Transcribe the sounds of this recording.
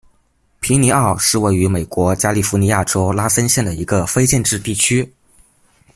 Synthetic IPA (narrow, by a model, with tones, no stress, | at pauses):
pʰi˧˥ni˧˥ɑ˥˩˧ʂɻ̩˥˧we˥˩ɪy˧˥me˨˩ɪkwɔ˧˥t͡ɕja˥li˥˩fu˧˥ni˧˥ja˥˩ʈ͡ʂo˥ʊla˥sə˥nɕjɛ˥˩nd̪ə˩ḭ˧˥ɡə˧fe˥ɪt͡ɕjɛ˥˧nʈ͡ʂɻ̩˥˧t̪i˥˩t͡ɕʰy˥